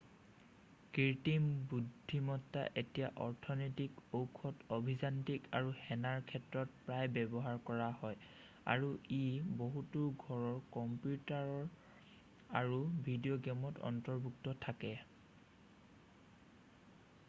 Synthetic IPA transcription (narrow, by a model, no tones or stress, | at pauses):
kiɹtimbudʱːimɔtːa̰ʔetijaʔɔɹtʰɔnɔjtikowkʰɔtobʱizantika̰ɹuhɛnaɹkʰɛtɹɔt̚pɹajbɛbɔɦaɹkɔɹaɦɔj | a̰ɹuʔiboɦutuɡʱɔɹɔɹkɔmpjutaɹɔɹ | a̰ɹubʱidijoɡɔmɔtɔ̰ntɔɹbʱuk̚tɔtʰakɛ